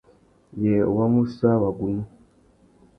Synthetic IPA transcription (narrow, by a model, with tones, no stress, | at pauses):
je˨o˨wa˦mu˦sa˦wa˨ɡu˨nu˦